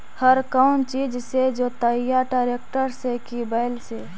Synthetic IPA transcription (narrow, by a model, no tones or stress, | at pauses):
həɾkaʊnt͡ʃiːd͡ʒsed͡ʒoːt̪əjaʈaːɾeːkʈəɾsekibaɪlse